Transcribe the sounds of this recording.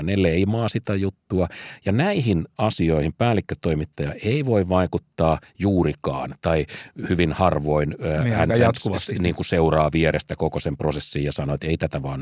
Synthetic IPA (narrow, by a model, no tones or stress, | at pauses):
neleimɑːsit̪æjut̪ːuɑjɑnæihinɑsioihimpæːlːˑikːøt̪ːoimit̪ːɑjɑeiʋoiʋʋɑikut̪ːɑːjuːrikɑ̰ːnt̪ɑihyʋinhɑrʋoinːhænuniːŋkuseurɑːʋieɾest̪ækokosemprosesːijɑsɑnoet̪eit̪æt̪æʋɑːn